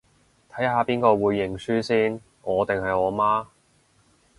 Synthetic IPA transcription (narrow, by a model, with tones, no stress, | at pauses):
t̪ʰɐ˨˥jɦaː˨˧piː˥nkɔː˧wuː˨˧jːɪ˨˩ŋsyː˥siː˥n | ʔɔː˨˧t̪ɪ˨ŋɦɐ˨jɔː˨˧maː˥